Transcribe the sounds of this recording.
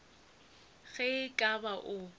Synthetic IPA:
ɣɛkʼabaʔʊ

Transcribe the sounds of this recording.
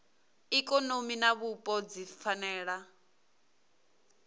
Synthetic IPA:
ikʼɔnominaβupʼɔd͡zifanɛːɺa

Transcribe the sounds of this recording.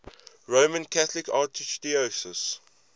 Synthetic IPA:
ɹomə̃nkʰaθlɪkaːtistiosəs

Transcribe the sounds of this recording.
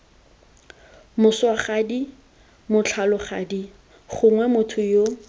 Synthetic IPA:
mʊswaχadi | mʊt͡ɬʰalʊχa̰di | χʊŋwɛmʊtʰʊjo

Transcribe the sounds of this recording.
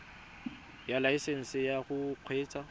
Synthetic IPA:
jalaiseŋ̩sɪjaɣʊq͡χʰweːt͡sʼa

